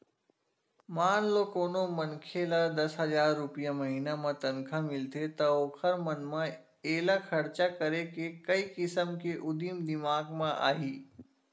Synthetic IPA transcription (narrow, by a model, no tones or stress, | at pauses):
maːnlokoːnomənkʰelad̪ɐsɦɐzaːɾːʊpijamɐɦinamãt̪ɐnkʰãmɪlt̪ʰet̪ɐoːkʰəɾmɐnmã | eːlakʰɐɾt͡ʃakəɾekekɐikɪsəmkeʔʊd̪iːmd̪ɪmaːɡmãʔa̰ːɦiː